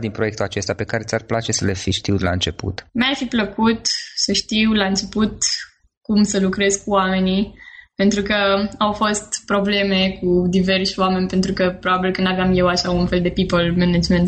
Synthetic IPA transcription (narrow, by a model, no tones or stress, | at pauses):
d̪inpɾoje̞k̚t̪uat͡ʃe̞st̪ape̞kaɾe̞t̪sʲarplat͡ʃe̞səlefiʃt̪iwd̪ela̰ɨnt͡ʃe̞pṵt̪mearfipləkut̪səʃt̪iwlaɨnt͡ʃe̞put̪ | kumsəlukɾe̞zkuame̞nipe̞nt̪ɾukəawfo̞st̪pɾo̞ble̞me̞kud̪ive̞rʃwame̞nʲpe̞nt̪ɾukəpɾo̞babilkɨnd̪aveamje̞waʃaunfe̞ld̪e̞pipəlmened͡ʒment̪